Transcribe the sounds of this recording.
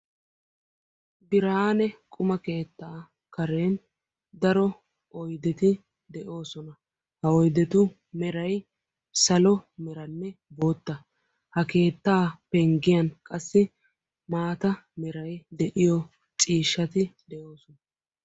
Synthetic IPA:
bɪɾaːnɛkʼʊmɐke̞ːt̪ːaː | kɐɾe̞ːn | d̪ɐɾɔ | ɔjd̪ɛt̪ɪ | d̪ɛʔo̞ːsɔnɐ | hɐɔjd̪ɛt̪ʊ | mɛɾɐj | sɐlɔmɛɾɐnːɛboːt̪ːɐ | hɐke̞ːt̪ːaːpɛŋɡɪjɐnkʼɐsːɪ | maːt̪ɐmɛɾɐjd̪ɛʔɪjɔ | t͡sʼiːʃːɐt̪ɪd̪ɛʔo̞ːsɔnɐ

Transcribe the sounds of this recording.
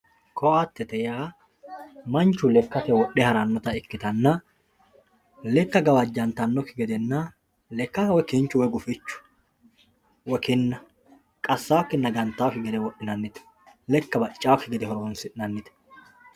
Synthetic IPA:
kʰɔat̪ːɛt̪ɛjaː | mɐnt͡ʃːʊlɛkːɐt̪ɛwɔʔɛhɐɾɐnːɔt̪ɐɪkːɪt̪ɐnːɐ | lɛkːɐɡɐwɐd͡ʒːɐnt̪ɐnːɔkɪɡɛd̪ɛnːɐ | lɛkːɐwɛkɪnt͡ʃːʊwɔɡʊfɪt͡ʃːʊ̥ | wɔkɪnːɐ | kʼɐsːaːwkːɪnɐɡɐnt̪ːawkɪɡɛd̪ɛwɔʔːɪnɐnːɪt̪ɛ̥ | lɛkːɐbɐt͡ʃʼːaːkːɪɡɛd̪ɛhɔɾoːnsɪʔnɐnːɪt̪ɛ̥

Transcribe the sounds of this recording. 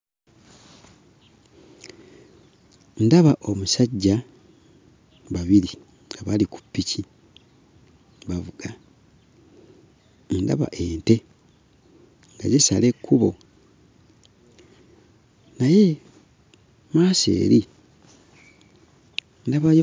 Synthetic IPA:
ndaβaʔo̞musaɟːa | βaβili | ɡaβaliku̥pːici | βavuɡa | nda̰βa̰ʔe̞ːnte̞ | ŋɡa̰ɟesale̞kːuβo̞ | naje̞ | maːsḛːɾi | ndaβaj

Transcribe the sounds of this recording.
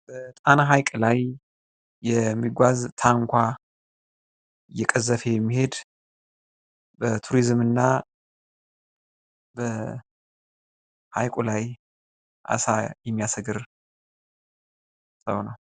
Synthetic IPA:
b̥ət̪ʼanaɦajkʼlajː | ɛmːiɡʷazt̪ʰaŋkʷa | jɛkʼəzːəfejɛmːihe̞d̪ | bət̪ʰuɾizmɨnːa | bə | ha̰jkʼulaj | ʔa̰sajɛmːijasəɡɨɾ | sə̰wnəw

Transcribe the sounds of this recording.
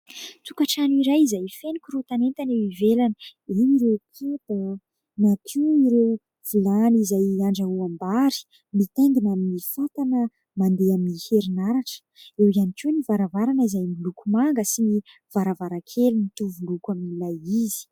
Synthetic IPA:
t͡s̪ukaʈ͡ʂaniɾajizajfenikʲuɾut̪anent̪anewivelanieniɾekʰet̪a | nakʰiwiɾew | v̥ilanizajaɳɖ͡ʐauambaɾi̥ | mit̪eŋɡinamifat̪anə | mand̪eamniheɾinaɾaʈ͡ʂə̥ewianikunivaɾavaɾanəizajmilukumaŋɡəsini | v̥aɾavaɾakʰelinit̪uvulukamilajizi̥

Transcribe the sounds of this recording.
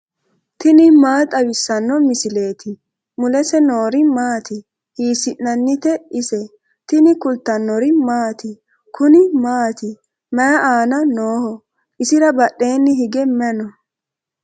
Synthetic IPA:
t̪ɪnɪmaːt̪ʼɐwɪsːɐnːɔmɪsɪle̞ːt̪ɪ | mʊlɛsɛnoːɾɪmaːt̪ɪ | hiːsɪʔnɐnːɪt̪ɛɪsɛ | t̪ɪnɪkʊlt̪ːɐnːɔɾɪmaːt̪ɪ | kʰʊnɪmaːt̪ɪ | mɐjɐʔaːnɐnoːhɔ | ʔɪsɪɾɐbɐʔːe̞ːnːɪɦɪɡɛmɛnɔ

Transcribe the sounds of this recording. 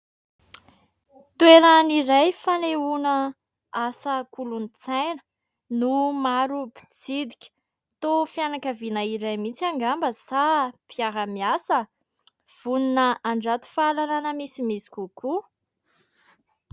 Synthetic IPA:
t̪ueɾaniɾajfaneunə | asəkulunit͡sajnə̥ | numaɾubi̥d͡zid̪ikʲə̥ | t̪ofjanakəvinaiɾajmit͡siaŋɡambəsapiaɾəmiasə | v̥uninəaɳɖ͡ʐat̪u̥falalanəmisimisi̥kʲuku

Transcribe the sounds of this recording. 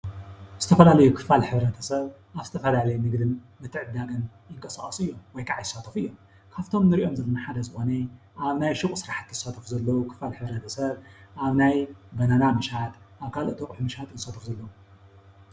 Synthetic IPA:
z̥ɨ̥t̪ʰɐfɐlalɐjukʰɨ̥falħɨβɾɐt̪ʰɐsɐβ | ʔaβzɨt̪ʰɐfɐlalɐjmɨɡd̪ɨn | mɨt̪ʰːɨʕɨd̪aɡɐn | jɪŋkʼɐsaχʼɐsɨjːo̞mwɔjkʰʼaʕajɨsːat̪ʰɐfɨjːo̞m | kʰaβt̪ʰo̞mnɨɾiʔo̞mzɐlːonaħad̪ɐzɨxo̞nɐ | ʔaβnajʃɨkʼusɨɾaħḁt̪ːɨsat̪ʰɐfuzɐlːɐwukʰɨ̥falħɨβɾɐt̪ʰɐsɐβʔaβnajbɐnanamɨʃat̪ʔaβkʰalot̪ʰokʼħmɨʃhat̪ɨnsat̪ʰɨfzɐlːɐwu

